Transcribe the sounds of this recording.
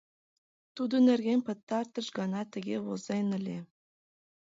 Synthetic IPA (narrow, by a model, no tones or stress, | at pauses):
t̪ud̪ə̆nĕrɣʲemʲpə̆t̪ːɑrt̪ə̆ʃɡɑnɑt̪ə̆ɣʲeβozenə̆lʲe